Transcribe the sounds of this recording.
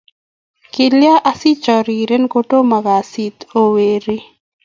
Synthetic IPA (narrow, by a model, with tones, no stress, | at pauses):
kɪ˨lja˦ʔa˦si˦t͡ʃɔ˨ɾi˨ɾe˦nko˦ʈo˦ma˨ɡa˨si˨t̪o˦weɾi˦